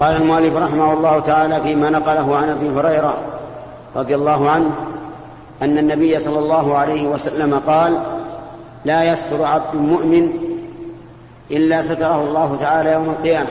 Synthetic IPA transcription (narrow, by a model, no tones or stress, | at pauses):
qɑːlalmʊʔalːɪfɾˤɑħɪmahʊlˤːɑːhʊt̪aʕaːlaːfiːmaːnɑqɑlaɦʊʕanʔabiːɦʊɾɑjɾa | ɾˤɑd̪ˤɪjalˤːɑːɦʊʕanh | ʔanːanːabɪjːasˤɑlːɑlˤːɑːɦʊʕalajhɪwasalːamaqɑːlː | aːjast̪ʊɾʕab̚d̪ʊlmʊʔmɪn | ʔɪlːaːsat̪ɑɾˤɑhʊlˤːɑːɦʊt̪aʕaːlaːjawmalqɨjaːma